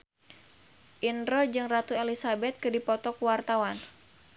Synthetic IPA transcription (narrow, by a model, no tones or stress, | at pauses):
ʔinrɔd͡ʒɨŋrat̪uelisabɛt̪̚kɨdipɔt̪ɔkwart̪awan